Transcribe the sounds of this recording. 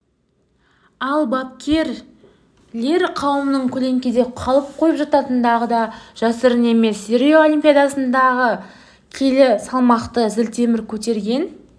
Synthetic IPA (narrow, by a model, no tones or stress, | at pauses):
ɑlˠbɑp̚kʲʰe̞ɾ | le̞ɾqʰɑwəmənəɴkʲʰɵle̞ŋkʲed̪e̞qʰɑlˠəp̚qʰo̞jəpʒɑt̪ɑt̪ənd̪ɑʁəd̪ɑʒ̥ɑsəɾne̞me̞seɾʲioolʲimpʲijad̪ɑsənd̪ɑʁə | kʲʰe̞lɪsɑlˠmɑqt̪əzɪlt̪ʰe̞mɪɾkʲʰɵt̪e̞ɾɡʲe̞n